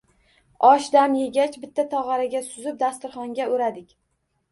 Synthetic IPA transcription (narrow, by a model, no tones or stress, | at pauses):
ɒʃd̪amje̞ɡʲat͡ʃbɪt̪ʰːat̪ʰɒʁɑɾaɡʲasʊzɪp̚d̪ast̪ɪɾχɒŋɡʲaoɾad̪ɪkʲ